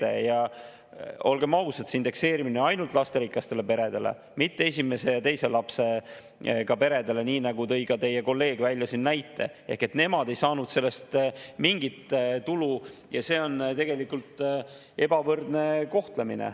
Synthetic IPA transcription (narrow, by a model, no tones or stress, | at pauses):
ḛjɑ | o̞lɡe̞mɑusɑt̪sind̪e̞kse̞ːɾimineɑjnult̪ˑlɑst̪e̞ɾiklɑst̪e̞le̞pe̞ɾe̞d̪e̞lḛ | mit̪ːees̬ʲime̞se̞jɑt̪e̞jse̞lɑpse̞ | kɑpe̞ɾe̞d̪̥e̞le̞niːnɑɡ̥ut̪ɤ̞jkɑt̪e̞jeko̞lːe̞ːɡ̥vælʲjɑsinːæjt̪ːˑe̞ | e̞hke̞t̪ne̞mɑd̪̥e̞jsɑːnud̪̥se̞lːe̞st̪miŋɡit̪t̪ulujɑse̞ːo̞nt̪e̞ɡ̥e̞likult̪ːˑ | e̞b̥ɑvɤrd̪ne̞ko̞ht̪le̞minḛ